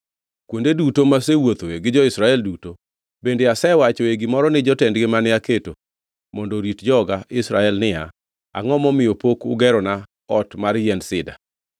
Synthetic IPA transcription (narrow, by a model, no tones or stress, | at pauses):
kwondedutomasewot̪eɡɪd͡ʒɔɪsɾaɛlduto | bendeasɛwat͡ʃɔeɡimɔɾɔnɪd͡ʒɔtɛndɡɪmanɪaketo | mɔndoɾitd͡ʒɔɡaʔɪsɾaɛlnɪa | a̰ŋɔmɔmɪjopokʊ̰ɡɛɾɔna | ɔtmaɾjɛnsɪda̰